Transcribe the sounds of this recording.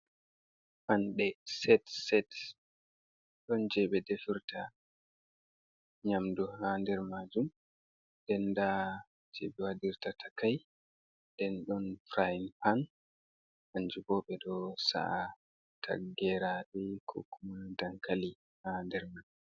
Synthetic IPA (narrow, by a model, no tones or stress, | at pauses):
panɗɛsɛtsɛt | ɗɔnd͡ʒɛɓɛdefiɾta | ɲamduhandɛɾmad͡ʒum | dɛnda | d͡ʒɛɓɛwadiɾtatʰḁkaj | dɛnɗɔnfɾajnpan | ʔaɲd͡ʒubɔːɓɛdɔsa̰ʔa | tʰa̰ɡɛɾaɗɛkʰɔ̰kʰumundaŋkali | handɛɾmad͡ʒum